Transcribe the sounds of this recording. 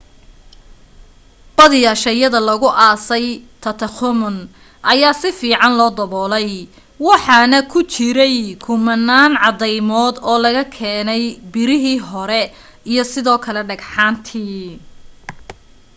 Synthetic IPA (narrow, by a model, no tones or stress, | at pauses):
b̥ɐðiːɐʃɛjɐðɐlɐɣʊʔaːsɛjt̪ʰɐt̪ʰɐxʊmʊn | ʔɐjaːsɪfiːʕɑnlɔːd̪ɐβɔːlɛj | wɑħɑnɐkʰʊt͡ʃɪɾɛjkʰʊmɐnːaːnʕɑðɛjmɔːd̪ɔːlɐɣɐkʰɛːnɛjbɪɾɪɦiːɦɔɾɛ | ijɞsɪðɔːkʰɐlɛɖɐɡħaːnt̪ʰiː